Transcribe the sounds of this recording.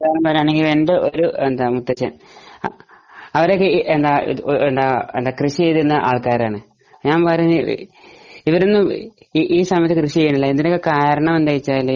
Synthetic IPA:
ɐaːnɐmpɐrmaːɳeŋɡilenɖeʔoɾuend̪aːmut̪ːɐt͡ɕjɐ̰m | ɐʋɐɾokːeʔend̪aːḭend̪aːend̪aːkrɨʂijejðunːɐʔaːɭkaːɾaːɳɨ | ɲaːnpɐrɐun̰ː | iʋɐɾenːum | ʔiːsɐmɐjɐt̪ːɨkrɨʂit͡ɕejːuɳːilːɐend̪inokːekaːɾɐɳɐmend̪aːjit͡ɕːaːilːɐ

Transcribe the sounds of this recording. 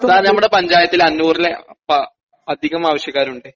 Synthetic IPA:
ɐðaːnɐmːuɽe̞pɐɲd͡ʑaːjɐt̪ːilɐnːuːrilepɐ | ɐd̪ʱiɣɐmaːʋɐɕjɐkːaːɾuɳɖɨ

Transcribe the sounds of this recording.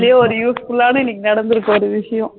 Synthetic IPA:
lɪjaːɔɾɯjuːsfʊɭːaːnɯɪnːɪkːɯnɐɽɐnd̪ɯɾɯkːɐɔɾɯʋɪʂɐjɐ̃

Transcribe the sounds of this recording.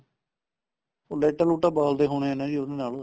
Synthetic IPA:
olɛːʈəːluːʈaːbaːld̪eːɦoːɽ̃eːənãːd͡ʒiːod̪eːnaːlo

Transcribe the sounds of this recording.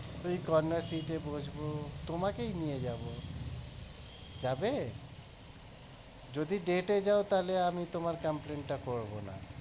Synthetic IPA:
ojkɔɾneɾsiʈebod͡ʑʱbot̪omakejnijed͡ʑabo | d͡ʑabe | d͡ʑod̪iɖeʈed͡ʑaot̪aleamit̪omaɾkamplenʈakoɾbona̰

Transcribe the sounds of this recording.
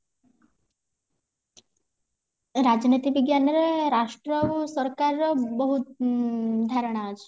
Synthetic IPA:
ɾad͡ʒnit̪ibiɡjanɔɾeɾaʃʈɾɔsɔɾkaɾɾɔbɔɦut̪ | d̪ʱaɾɔɽ̃aad͡ʒʰe̥

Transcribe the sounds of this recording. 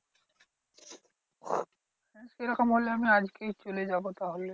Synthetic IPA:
skeɾaqamɦoleamiad͡ʑkejt͡ɕoled͡ʑabot̪aɦolːe

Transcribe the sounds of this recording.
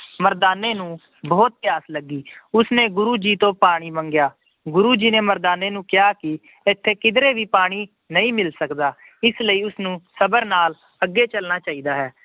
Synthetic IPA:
məɾd̪aːneːnũː | bɔːt̪̚t̪ɪjaːsləɡːiːʊsneːɡʊɾuːd͡ʒiːt̪õːpaːɽ̃iːməŋɡjaː | ɡʊɾuːd͡ʒiːneːməɾd̪aːneːnũːkɪjaːkɪ | ɪt̪ʰːeːkɪd̪ɾeːʋiːpaːɽ̃iː | nəĩːmɪlsəkd̪aː | ɪsləiːʊsnũːsəbəɾnaːl | əɡːeːt͡ʃəlnaːt͡ʃaːiːd̪aːɦɛː

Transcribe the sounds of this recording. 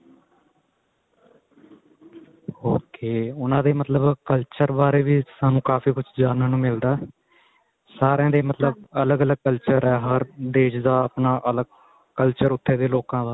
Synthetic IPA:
hoːkeːʊnãːd̪eːmət̪ləbkəlt͡ʃəɾbaːɾeːʋiːsaːnũːkaːfiːkʊt͡ʃʰd͡ʒaːnãːnũːmɪld̪aː | saːɾãːd̪eːmət̪ləbələɡələɡ̚kəlt͡ʃəɾɛːɦəɾd̪eːʃd̪aːəpnaːʔələɡ | kəlt͡ʃəɾʊt̪ʰːeːd̪eːloːkãːd̪aː

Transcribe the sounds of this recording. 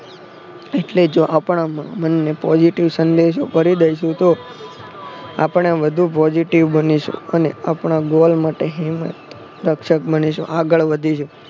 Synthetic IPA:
eʈled͡ʒoʔapɳamãmənːepɔd͡ʒiʈiʋsənd̪eʃ̬ofəɾid̪əjʃũt̪o | a̰pɳ̃eʋəd̪ʱũpɔd͡ʒiʈiʋbəniʃṵəneapɳ̃aɡolmaʈeɦimət̪ | d̪əkʃək̚bəniʃṵ̃ʔaɡəɭʋəd̪ʱiʃũ

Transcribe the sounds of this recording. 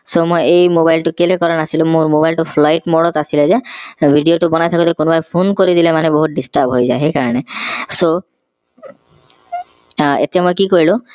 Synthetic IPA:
somojejmobajlʈukelekɔɾanasilumuɾmobajlʈupʰlajʈmɔɽɔt̪asilezebʱiɖioʈubɔnajt̪ʰakut̪ekonɔbajpʰonkoɾid̪ilemaneboɦut̪̚ɖisʈaɾbɦojzaeɦekaɹɔneso | ḛt̪iamojkikoɹilɔ̃

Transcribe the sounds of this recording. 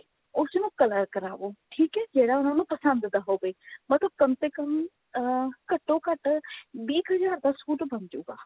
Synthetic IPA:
ʊsnũːkələɾkəɾa̰ːʋoːʈʰiːkɦɛːd͡ʒeːɽaːʊnãːnũːpəsə̃nd̪d̪aːɦoːbeːmət̪ləb̚kənt̪eːkəm | kəʈːõːkəʈbiːkɦəzaːɾd̪ɐskuːʈbənd͡ʒuːɡaː

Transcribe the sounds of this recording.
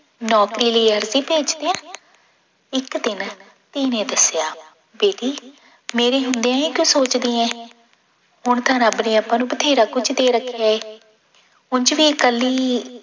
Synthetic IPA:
nɔːkɾiːləiːəɾziːpeːt͡ʃd̪eːãː | ɪkd̪ɪn | t̪iːnẽːd̪əsjaː | beːʈiː | meːɾeːɦʊ̃nd̪ejãːĩːkjõːsoːt͡ʃd̪ĩːɛ̃ː | ɦʊɳt̪ʰãːnaːbneːaːpːãːnũːbət̪ʰeːɾaːkʊt͡ʃd̪eːɾəkʰːaeː | ʊnd͡ʒʋiːəkəliː

